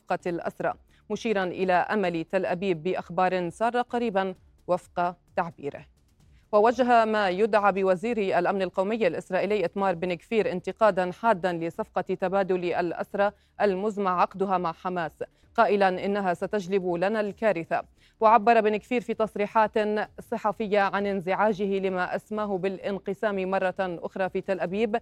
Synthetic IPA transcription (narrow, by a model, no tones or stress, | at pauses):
qɑlʔa̰sɾˤɑ̰ː | mʊʃiːɾˤanʔɪlaʔamalit̪alʔabiːbːɪʔaxbɑːɾˤɪnsˤɑːɾˤɑqɑɾiːban | wafqɑt̪aʕbḭːɾɪ̰h | wawad͡ʒɦamaːjʊd̪ʕaːbɪwaziːɾʔalʔamnalqowmɪjːalʔɪsɾˤɑːʔɪlɪːʔat̪mɑːɾˤbɪnkfiːɾʔɪnt̪ɪqɑːd̪anħaːd̪ːanlɪsˤɑfqɑt̪abaːd̪ʊlʔalʔa̰sɾˤɑː | ʔalmʊzmaʕɑqd̪ʊɦamaʕħamaːs | qɑːʔɪlanʔɪnːaɦasat̪ad͡ʒlɪblanalkaːɾɪθa | waʕabːɑɾˤɑbɪnɪkfiːɾfiːt̪ɑsˤɾiːħaːt̪sˤɨħɑfɪjːaʕanɪnzɪʕaːd͡ʒɪhɪlɪmaʔasmaːɦʊbɪlʔɪnqɨsaːmimɑrˤːɑʔʊ̰xɾˤɑːfiːt̪alʔabiːb